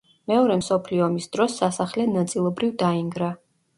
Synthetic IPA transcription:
mɛɔɾɛmsɔpʰliɔmisd̪̥ɾɔsːasaχlɛnat̪sʼilˠɔbɾivd̪aiŋɡɾa

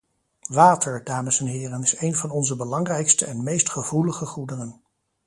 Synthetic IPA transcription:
ʋaːtʰəɹdaːməsɛnɦɪːrənɪsejnvɑnɔnzəbəlɑŋrɛjkstəɛnmejstχəvuləχəχudərən

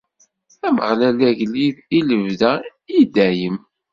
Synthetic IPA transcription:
æməʁlælæʝliðiləvðæid̪æjəm

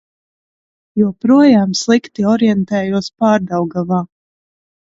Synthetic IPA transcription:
juɔpɾuɔjaːmslˠikt̪iɔɾjɛnt̪ɛːjuɔspaːɾd̪awɡavaː

